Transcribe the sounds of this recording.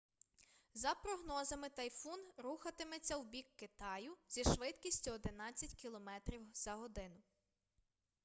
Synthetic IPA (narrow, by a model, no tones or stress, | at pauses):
zɐpɾɔɦnɔzɐmɪt̪ɐjfunɾuxɐt̪ɪmet͡sʲːɐwbʲikːɪt̪ɑjʊz̥ʲiʃʋɪt̪kʲisʲtʲʊɔd̪ɪnɑt͡sʲːɐtʲkʲilˠɔmɛt̪ɾʲiwz̥ɐɦɔd̪ɪnʊ